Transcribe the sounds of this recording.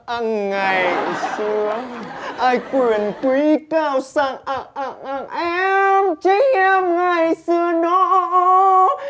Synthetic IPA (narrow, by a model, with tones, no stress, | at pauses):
ʔa˧ŋŋa˨˩jsɨ˧əʔaː˧jkwi˨˩ənkwi˨˦kaː˧wsa˧˩ŋʔa˧˩ŋʔa˧˩ŋʔa˧˩ŋʔɛ˧mt͡ɕi˨˦ŋʔɛ˧mŋa˨˩jsɨ˧ənɔ˨˦ʔ